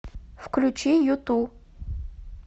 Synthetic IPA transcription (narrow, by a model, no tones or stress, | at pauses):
fklʲut͡ɕijut̪u